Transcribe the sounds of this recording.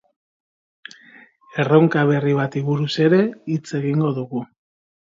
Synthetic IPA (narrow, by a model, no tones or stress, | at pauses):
e̞rowŋkaβ̞e̞riβ̞at̪iβuɾuse̞ɾe̞it͡se̞ɣiŋɡo̞ðuɣu